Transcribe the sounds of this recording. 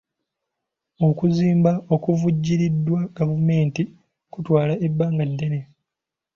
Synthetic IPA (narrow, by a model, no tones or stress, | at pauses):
o̞kuziːmbaokuvuɟːiɾidːwaɡ̥avume̞ːnti | kutwaːlaʔe̞bːaːŋɡadːe̞ne